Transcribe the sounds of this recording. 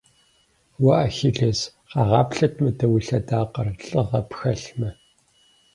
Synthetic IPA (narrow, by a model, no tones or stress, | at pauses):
wɐʔɐxiɮez | qɑːʁɑːpɬɐtʰmɨdɐwiɬɐdaːqɐrɬʼəʁɐpxɐɬmɐ